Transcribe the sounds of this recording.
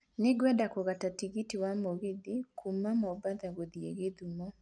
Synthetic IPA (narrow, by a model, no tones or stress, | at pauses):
neɡwɛdakoɣatatiɣitiwamoɣiðikʰumamɔbaðaɣoðiḛɣeðumɔ